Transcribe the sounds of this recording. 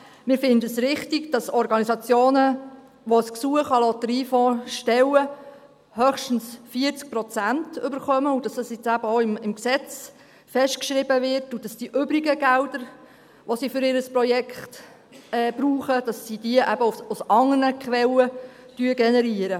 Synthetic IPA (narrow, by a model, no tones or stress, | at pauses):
mɪːɾfɪndəəsɾɪχtiɡ̥d̥ɑsɔɾɡɑnisɑt͡sjoːnə | ʋɔsksuəχɑlɔt̪əɾiːfɔːʃtɛwə | hœχʃtn̩sfiət͡sk̚pɾɔt͡sæntʏbəɾχœməud̥ɑsɑsɪt͡sæb̥əoɪmɪmksɛt͡s | fɛsʃtkʃɾɪbəvɪɾtud̥ɑsd̥iʔʏbɾiɡəɡ̥ældəɾ | ʋɔsifʏɾɪɾəspɾɔjɛkχt | ɛːb̥ɾuːχəd̥ɑsːid̥iəʔæbəususɑŋənəkχʋɛlətyəɡɛnɛɾiəɾə